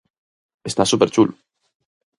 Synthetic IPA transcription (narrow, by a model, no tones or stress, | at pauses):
est̪asupeɾt͡ʃulu